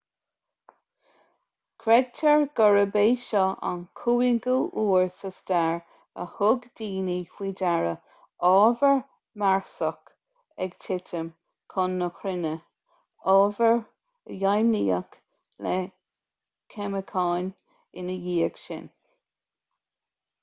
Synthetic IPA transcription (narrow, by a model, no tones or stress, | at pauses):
kʰɾɛd̚tʰəɹɡ̥ɔɹəbeːʃɔʔa̰nkʰuːɪɡuʔuːɹsəstɛɹ | ə̰hʊɡdiːnifiːdaɹə | ɔːvəɹ | maɹsək | ɛɡtʰɪtʰəm | kʰɔnːəkɾɪnə | ɔːvəɹ | jajmiːə̰k | lɛ | kʰɛməkʰaɑːn | ɪnəjiːəɡ̥ʃɪ̰n